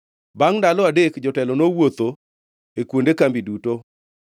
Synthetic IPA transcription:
baŋndalɔadekd͡ʒɔtɛlɔnowot̪o | ekwondekambiduto

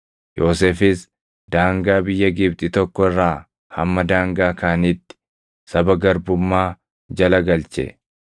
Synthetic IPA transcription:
joːseːfɪs | d̪̥aːŋɡaːbɪjːɐɡɪbt̪ʼɪt̪ɔkːɔɪrːaː | hɐmːɐd̪aːŋɡaːkaːnit̪ːɪ̥ | sɐbɐɡɐɾbʊmːaː | d͡ʒɐlɐɡɐlt͡ʃɛ̰

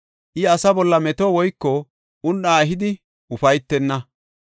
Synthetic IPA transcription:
ʔɪɐsɐbɔlːɐmɛt̪oːwɔjkːɔ | ʔʊnɗaːɛɦɪd̪ɪ | ʊfɐjt̪ːɛnːɐ

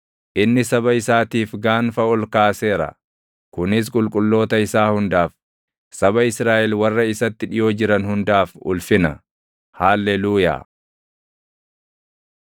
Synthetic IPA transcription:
ʔɪnːɪsɐbɐɪsaːt̪iːfɡaːnfɐɔlkaːse̞ːɾɐ̰ | kʊnɪs̬kʼʊlkʼʊlːo̞ːt̪ɐɪsaːhʊnd̪aːf | sɐbɐɪsɾaːʔɛlwɐrːɐɪsɐt̪ːɪᶑɪjo̞ːd͡ʒɪɾɐnhʊnd̪aːfʊ̰lfɪnɐ | haːlːɛluːja̰ː

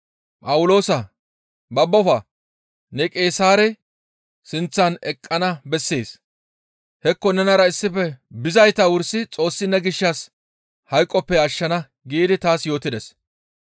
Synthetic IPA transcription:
pʼɐwʊlo̞ːsɐ | bɐbːɔfɐ | nɛkʼe̞ːsaːɾɛ | sɪnt͡sːɐnɛkʼːɐnɐbɛsːeːs | hɛkːɔnɛnɐɾɐɪsːɪpːɛbɪzɐjt̪ɐwʊɾsɪt͡sʼo̞ːsːɪnːɛɡɪʃːɐs | hɐjkʼːɔpːɛɐʃːɐnɐ | ɡiːd̪ɪt̪aːsjo̞ːt̪ɪd̪ɛs

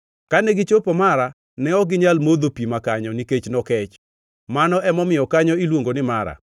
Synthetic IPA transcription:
kanɛɡɪt͡ʃopomaɾa | nɛɔɡɪɲalmod̪opimakaɲɔniket͡ʃnɔkɛt͡ʃ | manɔʔɛmɔmɪjɔkaɲɔilwoŋɡonɪmaɾa̰

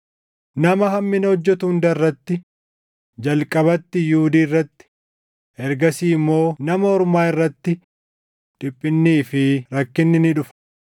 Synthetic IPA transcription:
nɐmɐɦɐmːɪnɐɔd͡ʒːɛt̪ʊʊnd̪ɐrːɐt̪ːɪ | d͡ʒɐlkʼɐβɐt̪ːɪjuʊd̪iːrːɐt̪ːɪ̥ | ɛɾɡɐsiːɪmːo̞ːnɐmɐɔɾʊmaːɪrːɐt̪ːɪ | ᶑ̪̥ɪpʼːɪnːiːfɪɾɐkːɪnːɪnɪᶑʊf

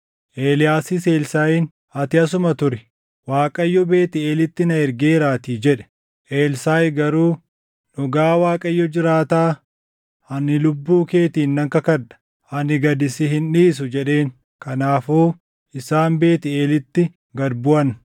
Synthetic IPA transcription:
ʔeːlɪjaːsɪse̞ːlsaːjiːn | ɐt̪ɪɐs̬ʊmɐt̪ʊɾɛ | waːkʼɐjːɔbe̞ːt̪ɪe̞ːlɪt̪ːɪnɐɛɾɡe̞ːɾaːt̪iːd͡ʒɛᶑɛ̥ | ʔe̞ːlsaːjɡɐɾuː | nɔɡaːwaːkʼɐjːɔd͡ʒɪɾaːt̪aː | ɐnɪlʊbːuːke̞ːt̪iːnːɐŋkɐkɐᶑɐ̥ | ɐnɪɡɐd̪ɪsɪhɪnᶑiːs̬ʊd͡ʒɛᶑe̞ːŋ | kɐnaːfoː | ɪsaːnbe̞ːt̪ɪeːlɪt̪ːɪ | ɡɐɾbʊɐn

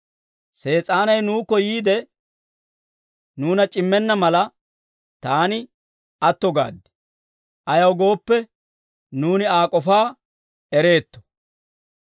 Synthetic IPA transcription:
se̞ːt͡sʼaːnɐjnuːkɔjiːd̪ɛ | nuːnɐt͡ʃʼɪmːɛnːɐmɐlɐ | t̪aːnɪ | ɐt̪ːɔɡa̰ːd̪ːɪ̥ | ʔɐjɐwɡo̞ːpːɛ | nuːnɪaːkʼɔfaː | ɛɾe̞ːt̪ːɔ̥

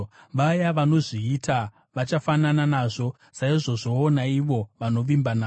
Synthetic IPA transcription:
ʋajaʋano̞ʐiːtʰa | ʋat͡ʃafanananaʐo̞ | saiʐo̞ʐo̞ːnaiʋo̞ʋano̞ʋimbanaː

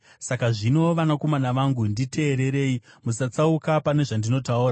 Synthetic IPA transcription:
sakaʐino̞ʋanako̞manaʋaŋɡundite̞ːɾe̞ɾe̞ːimusat͡saukapane̞ʐandino̞tauːra

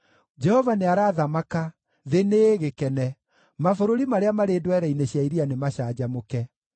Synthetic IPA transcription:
d͡ʒɛhɔvaneaɾaːðamaka | ðeneːɣekɛnɛ | mafoɾoɾimaɾeamaɾedwɛɾɛineɕjaiɾianemaɕaːd͡ʑamokɛ

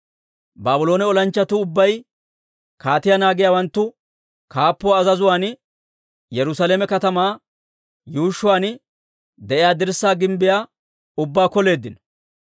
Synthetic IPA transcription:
baːbʊlo̞ːnɛɔlɐnt͡ʃːɐt̪ʊʊbːɐj | kaːt̪ɪjanaːɡɪjaːwɐnt̪ːʊ | kaːpːɔːzɐzʊwaːn | jɛɾʊsaːleːmɛkɐt̪ɐmaː | juːʃːʊwaːn | d̪ɛʔɪjaːd̪ɪɾsːaːɡɪmbɪjaː | ʊbːaːkɔle̞ːd̪ːɪnɔ̥

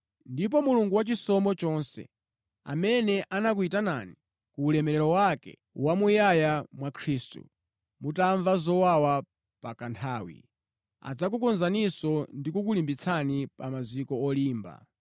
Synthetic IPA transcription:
ndip̬ɔmuluŋɡuwat͡ʃisɔmɔt͡ʃɔnsɛ̰ | a̰mɛnɛʔanak̬uitanani | kuːlɛmɛlɛɾɔwakɛ̰ | wamujajamwakʰɾiːstṵ | mutaɱvazɔwawa | pakantʰaːwḭ | a̰d͡zak̬ukɔnzanisɔndikuk̬ulimbit͡sʰanipamazwikɔɔliːmba̰

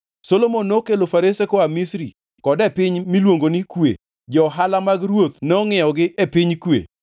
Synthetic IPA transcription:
solomonːokelofaɾesekoamisɾḭ | kɔdɛpɪɲmilwoŋɡonikwḛ | d͡ʒɔɦalamaɡrwot̪nɛɔŋɛjɔɡɪʔepɪɲkwḛ

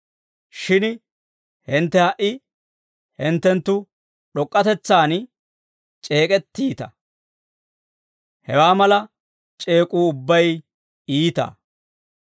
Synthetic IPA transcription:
ʃɪn | hɛnt̪ːɛhɐʔɪ | hɛnt̪ːɛnt̪ːʊ | ɗɔkʼːɐt̪ɛt͡sːaːn | t͡ʃʼe̞ːkʼɛt̪ːiːt̪ɐ | hɛwaːmɐlɐ | t͡ʃʼe̞ːkʼuːʊbːɐj | iːt̪ɐ̰ː

